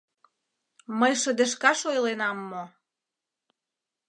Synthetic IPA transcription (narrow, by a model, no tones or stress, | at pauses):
məjʃə̆d̪eʃkɑʃojlenɑmːo